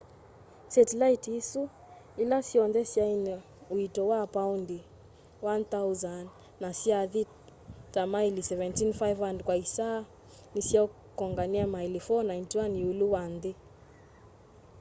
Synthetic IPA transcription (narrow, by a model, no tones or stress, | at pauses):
sɛtilaitisu | ilasiɔnðɛsjaini | uitɔwaːpawndi | wanθawzanː | asiaði | tamailisɛvɛ̃ntinfajvandkwaisa | nisiau | kɔŋɡaniamailifɔnajntiwaniuluwande